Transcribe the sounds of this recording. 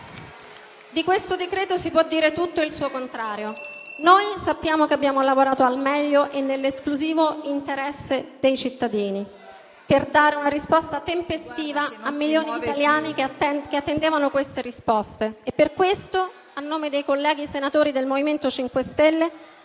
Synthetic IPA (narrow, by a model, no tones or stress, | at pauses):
d̪ikwest̪od̪ekɾeːt̪osipwɔd̪ːiːɾet̪ut̪ːoilsuːokont̪ɾaːɾjonoːjsapːjaːmokeabːjaːmolavoɾaːt̪oalmɛʎːoʔenːelːeskluziːvoint̪eɾɛsːed̪ejt͡ʃit̪ːad̪iːni | perd̪aːɾeunaɾispɔst̪at̪empest̪iːvaːmːiljoːnit̪aljaːnikeat̪ːend̪eːvanokwest̪eɾispɔst̪eːpːerkwest̪o | anːoːmed̪ejkolːɛːɡisenat̪oːɾid̪elmoviment̪ot͡ʃiŋkwest̪ɛlːe